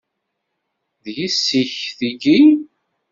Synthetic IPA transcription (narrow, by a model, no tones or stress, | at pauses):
ðjisːiçθiɡi